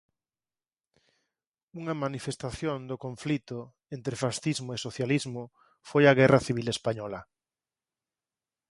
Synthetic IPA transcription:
uŋamanifest̪aθjond̪okõɱflit̪ʊ | ent̪ɾefasθizmoesoθjalizmo | fojaɣ̞ɛraθiβilespaɲɔla

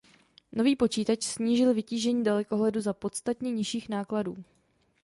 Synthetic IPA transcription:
no̞viːpo̞t͡ʃiːt̪at͡ʃsɲiːʒɪlvɪciːʒɛɲiːdalɛko̞ɦlɛduzapo̞t̪st̪at̪ɲɛɲɪʃiːxnaːkladuː

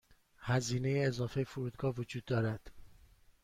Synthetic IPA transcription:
hæziːne̞jeːzɒːfejefuɾuːd̪ɡɒːvod͡ʒuːd̪ːɒːɾæd̪̥

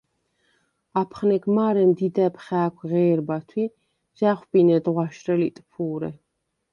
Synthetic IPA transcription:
apʰχnɛɡmaɾɛmd̪id̪ɛpʰχɛːkʷʰʁɛːɾbat̪ʰwi | z̥aχʷwbinɛd̪ʁwaʃɾɛlit̪ʼpʰuːɾɛ

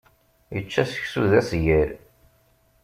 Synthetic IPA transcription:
jət͡ʃːæsə̥çsuðæsʝæɾ

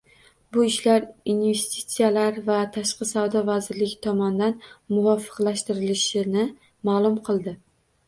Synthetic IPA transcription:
bʊɪʃlaɾinve̞st̪ʰi̥t̪sijalaɾvat̪ʰaʃqɨsavd̪ɒvazɪɾlɪɡʲɪt̪ʰɒmɒnɪd̪anmʊvɒfɨ̥qlˠaʃt̪ɪɾɪlɪʃɪnɪ | maːlˠʊmqʰɨlˠd̪ɪ

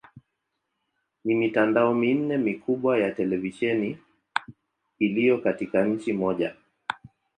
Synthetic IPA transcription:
nimitandaɔmin̩nɛmikuɓwajatɛlɛviʃɛni | lijɔkatikaɲ̩t͡ʃimɔʄa̰

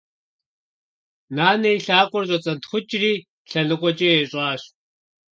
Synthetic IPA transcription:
naːnejɬaːkʷʼɔrɕʷʼɐt͡sʼɐntχʷʊt͡ʃʼriː | ɬɐɮɨqʷʼɔt͡ʃʼeeɕʼɑːɕ

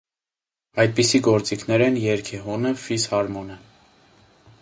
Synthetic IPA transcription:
ɑjd̪̚pisiɡɔɾt͡sikʰnɛɾɛnjɛɾkʰɛɦɔnəfishɑɾmɔnə

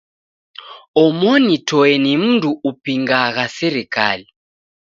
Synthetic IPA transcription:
ɔmɔnitʰɔɛnim̩ntuʔupiŋɡaɣasɛɾɛka̰ːli

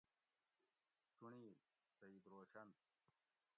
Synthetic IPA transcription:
t͡ɕuɳiː | sɐiːb̪ɾoːɕɐn

